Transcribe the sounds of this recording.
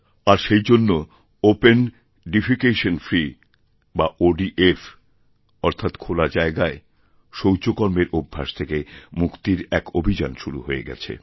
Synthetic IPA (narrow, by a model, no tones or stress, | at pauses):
aɾʃejd͡ʑonːo | open | ɖifikeʃonfɾi | baʔoɖiʔef | ɔɾt̪ʰat̪kʰolad͡ʑaeɡae | ʃowt͡ɕokɔɾmeɾubʱːa̰ʃt̪ʰekemukt̪iɾɛkobʱid͡ʑa̰nʃuɾṵɦoeɡɛ̰t͡ɕʰḛ